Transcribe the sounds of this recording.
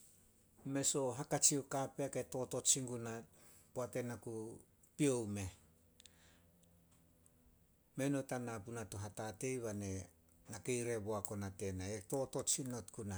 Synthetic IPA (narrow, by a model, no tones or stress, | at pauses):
me̞so̞ɦakat͡ʃiokapeaketo̞to̞t͡ʃiŋɡunat | poate̞naku | pio̞wme̞ | me̞no̞tanapunatoɦatate̞jβane̞ | nake̞jɾe̞βoako̞nate̞naeto̞to̞t͡ʃino̞tkuna